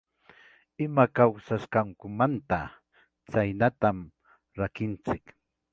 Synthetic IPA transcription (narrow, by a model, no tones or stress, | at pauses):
ɪmakawsaʃkaŋkʊmant̪a | t͡sajnat̪am | ɾakɪnt͡sɪk